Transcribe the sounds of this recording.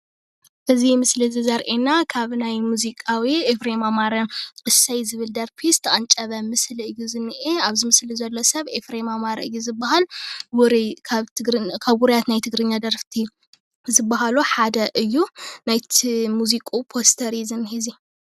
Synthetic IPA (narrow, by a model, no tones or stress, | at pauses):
ʔɨzimɨslizɨzɐɾʔenakʰaβnajmuzikʼawiefɾemamaɾɐmʼɨsɐjzɨβɨld̪ɐɾpʰist̪ʰɐʔʼɐnt͡ʃʼɐβɐmɨsliɨjːuzɨnːɨʔeaβzɨmɨslizɐlːosɐβefɾemamaɾɐʔɨjuzɨbːaɦalbuɾikʰaβʰɨɡɾkʰaβɡuɾijat̪najt̪ʰɨɡɾɨɲːad̪ɐɾft̪ʰi | zɨbːaɦaluħad̪ɐʔɨjːunajt̪ʰmuzikʼupʰost̪ʰɐɾizɨnhizi